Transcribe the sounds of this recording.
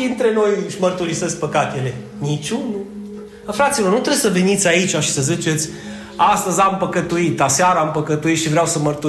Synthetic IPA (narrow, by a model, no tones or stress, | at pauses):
int̪ɾe̞no̞jɨʃʲmərt̪uɾisəsʲpəkat̪ele̞ | nit͡ʃunu | əfɾat̪silo̞rnut̪ɾesəve̞nit̪sʲait͡ʃʲaʃi̥səzit͡ʃe̞t̪sʲ | ast̪əzʲampəkət̪uit̪laseaɾaːmpəkət̪uit̪ʃivɾeawsəmərt̪u